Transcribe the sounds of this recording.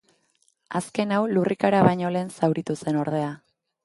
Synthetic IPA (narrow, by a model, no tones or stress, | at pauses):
aske̞nawlurikaɾaβajɲo̞le̞ːnsawɾit̪use̞no̞ɾð̞e̞a